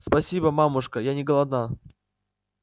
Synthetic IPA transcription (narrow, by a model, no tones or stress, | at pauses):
spɐsʲibəmamʊʂkəjanʲɪɡəlˠɐd̪na